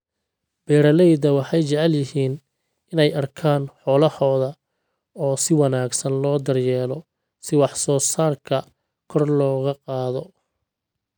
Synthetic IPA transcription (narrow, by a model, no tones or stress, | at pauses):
b̥ɛːɾɐlɛjðɐwɑħɑjt͡ʃɐʕɛljɪɦiːn | ɪnɛjɐrkʰaːnħɔːlɐhɔːðɐ | ɔːsɪwɑnaːɡsɐnlɔːd̪ɐrjɛːlɔ | sɪwɑħsɔːsaːrkʰɐ | kʰɔrlɔːɣɐqɑːðɔ